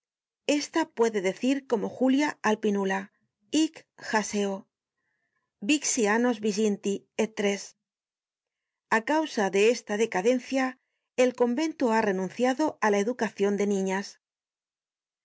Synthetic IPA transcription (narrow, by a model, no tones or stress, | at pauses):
e̞st̪apwe̞ðe̞ðe̞θiɾko̞mo̞xuljaalpinula | ikxase̞o | biksiano̞zβiʝint̪i | et̪ɾe̞s | akawsaðe̞e̞st̪að̞e̞kaðe̞nθja | elko̞mbẽ̞nt̪uare̞nũnθjaðo̞ʔalaeðukaθjo̞nd̪e̞nĩɲas